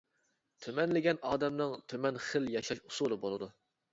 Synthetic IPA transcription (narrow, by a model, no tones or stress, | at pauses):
t̪ʰymɛnlɪɡʲɛnɑːd̪ɛmnɨŋt̪ʰymɛnχəljɑʃɑʃusulˠɨbolˠɨd̪u